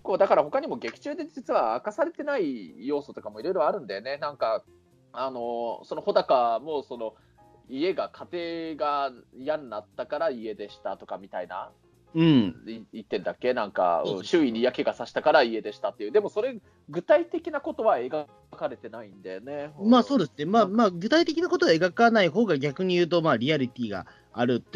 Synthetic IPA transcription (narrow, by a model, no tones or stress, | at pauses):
ko̞ːd̪akaɾaho̞kaɲ̟imo̞ɡe̞kʲi̥t͡ɕɨːd̪e̞d͡ʑit͡sɨβaakasaɾe̞t̪e̞naijo̞ːso̞t̪o̞kamo̞iɾo̞jɾo̞aɾɯ̟̃nd̪eone̞nãŋka | ano̞so̞noho̞d̪akamo̞so̞no̞ | ie̞ɡakʰat̪e̞ːɡajannat̪ːakaɾaie̞d̪e̞ɕi̥t̪at̪o̞kamʲit̪aina̰ | ɯ̟̃ɴiit̪ːẽ̞nd̪akːe̞nãŋka̰ɯ̰̃ɕɨːiɲʲijake̞ɡasaɕi̥t̪akaɾaie̞d̪e̞ɕi̥t̪at̪ːeiɯ̟d̪e̞mo̞so̞ɾe̞ | ɡɯ̟t̪ait̪e̞kʲinako̞t̪o̞βae̞ɡa | kaɾe̞t̪e̞naĩnd̪ene̞maːso̞ːd̪e̞sɨne̞maːmaːɡɯ̟t̪ait̪e̞kʲinako̞t̪o̞βae̞ɡakanaiɦo̞ːɡaɡʲakɯ̟ɲ̟ijɯːt̪̬o̞maːɾʲiaɾʲit̪ʲiːɡa̰ː | ɾɯ̟t̪ː